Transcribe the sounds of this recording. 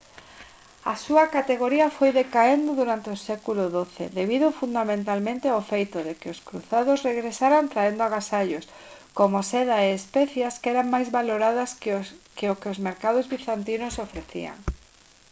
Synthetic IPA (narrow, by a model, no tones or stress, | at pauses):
ɐ̰suɐkat̪eɣoɾiɐfojðekaend̪ʊðuɾant̪ɪʊsɛkulʊðoθḛðeβ̞iðʊfund̪amẽnt̪almẽnt̪ɪaofejt̪ʊðekɪʊskɾṵθaðʊsreɣɾesaɾant̪ɾaend̪ʊaɣasaʎʊskomosɛðaeːspɛθjaskɛɾaŋmajzβaloɾaðɐskeokɪʊzmeɾkað̞ʊzβiθant̪inʊsofɾeθḭa̰ŋ